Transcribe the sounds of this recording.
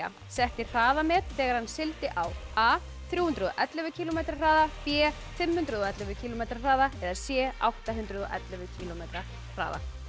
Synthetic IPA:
a̰ | sɛht̪ɪr̥aːðamɛːtfɛːɣaɾ̥hanːsɪlt̪ɪʔawaː | θɾjuːhʏnt̪ɾʏðɔʔɛt̪lɛvʏcʰiːlɔmejt̪ɾar̥aːðapjɛː | fɪmhʏnt̪ɾʏðɔɛt̪lɛvʏcʰiːlɔmejt̪ɾar̥aːðaɛðasjɛːa̰wht̪aɦʏnt̪ɾʏðɔʔɛ̰t̪lɛvʏcʰiːlɔmejt̪ɾḁ | r̥a̰ːða̰

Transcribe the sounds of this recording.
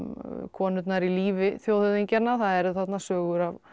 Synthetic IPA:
kʰɔːnʏt̪naɾiliːvɪθjowθʏðiɲcanːaθaðɛɾθat̪nasœːɣʏɾav

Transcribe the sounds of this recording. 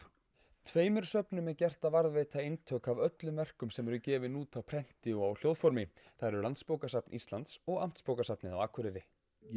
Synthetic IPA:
t̪ʰveːjmʏɾ̥sœpnʏmɛcɛr̥t̪avaɾðvejt̪ʰaejnt̪ʰœːkavœt̪lʏmvɛr̥kʏmsɛmɛɾʏcɛːvɪnuːt̪awpʰɾɛn̥t̪ɪɔawl̥jowðfɔɾmɪθaɾʏɾlant̪spowkasapnʔist̪lant̪sɔɣam̥t̪spowkasapnɪða̰waːkʰʏɾɪɾɪ

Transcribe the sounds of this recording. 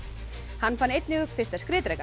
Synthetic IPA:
hanːfanːejt̪nɪɣʏpfɪst̪askɾɪːt̪ɾɛjka

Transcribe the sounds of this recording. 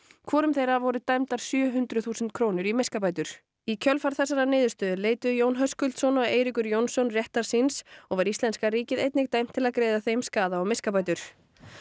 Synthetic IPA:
kʰvɔːɾʏmθejɾavɔɾʏt̪ajmt̪aɾ̥sjœːɦʏnt̪ɾʏθuːsɛnt̪̚kʰɾownʏɾimeskapaːjt̪ʏɾ̥ | icʰœlfaɾ̥θɛsːaɾanɪːðʏɾst̪œːðʏleːjt̪ʏjownɦœskʏlt̪sɔnaeːjɾikʏɾjownsɔnrjɛht̪aɾ̥sinsɔɣvaɾist̪lɛnskaɾiːcɪðejt̪nɪk̚t̪aːjm̥t̪ʰːɪlaðkɾeːjðaθejmskaːðaɔɣmɪskapaːjt̪ʏɾ̥

